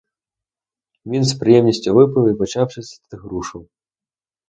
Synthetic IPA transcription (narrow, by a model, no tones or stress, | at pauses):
vʲinspɾɨjɛmnʲisʲt͡sʲɔvɨp̬ɨwˠipɔt͡ʃawʂɨsʲɐ̥t̪t̪ɨɣɾuʂɨw